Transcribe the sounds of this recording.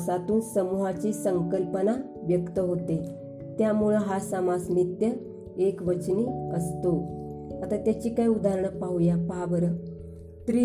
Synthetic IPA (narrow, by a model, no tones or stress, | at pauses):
sat̪uːnsəmuɦat͡ɕiːsəŋkəlpəna | ʋjəkt̪əɦot̪e | t̪jamuɭəɦasamasnit̪jə | ekʋət͡ɕniːəst̪oat̪at̪jat͡ɕiːkaiud̪aɾɳəpaujapaʋəɾə | t̪ɾi